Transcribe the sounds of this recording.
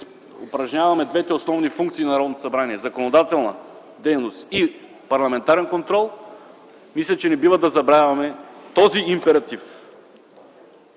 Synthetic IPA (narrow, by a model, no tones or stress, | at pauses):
opɾɐʒnʲavɐmɛd̪vɛt̪ɛosnɔvnifuŋk̚t̪sinɐɾɔd̪not̪o̥sɐbɾaniɛzɐkonod̪at̪ɛlˠnɐ | d̪ɛjnost̪i | pɐɾlˠɐmɛnt̪aɾɛnkont̪ɾɔlˠ | mislʲɐt͡ʃɛnɛbivɐd̪ɐzɐbɾavɐmɛt̪ɔziimpɛɾɐt̪if